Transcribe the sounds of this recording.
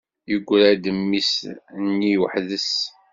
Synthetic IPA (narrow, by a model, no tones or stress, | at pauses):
jəɡʷːɾæd̪əmːisnːiwəħðəs